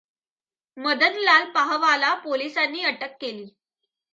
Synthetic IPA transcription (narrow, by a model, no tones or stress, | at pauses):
məd̪əd̪lalpaɦʋalapolisanːiːəʈəkːeliː